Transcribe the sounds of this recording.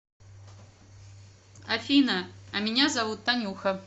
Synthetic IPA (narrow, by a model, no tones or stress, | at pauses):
afʲinɐɐmʲinʲazavut̪ːanʲuxɐ